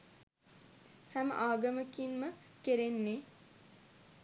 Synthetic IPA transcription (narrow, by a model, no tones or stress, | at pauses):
hæm̰ʔaːɡəməkinməkeɾenːe